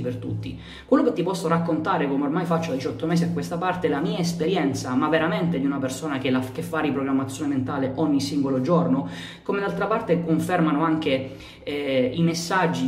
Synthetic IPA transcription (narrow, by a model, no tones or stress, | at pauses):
pert̪ṵt̪ːi | kwelːoket̪ːipɔsːoɾakːont̪aːɾekomeormajfat͡ʃːoad̪it͡ʃɔt̪ːomɛːs̬iakwest̪apart̪elamiːaespeɾjɛnt̪samavːeɾament̪ed̪iunapersoːnak̟elakefːaɾipɾoɡɾamːat̪sjoɔːnement̪aːleʔɔɲːisiŋɡolod͡ʒorno | komed̪alt̪ɾapart̪ekoɱfɛrmanoaŋk̟e | ɛimesːad͡ʒːi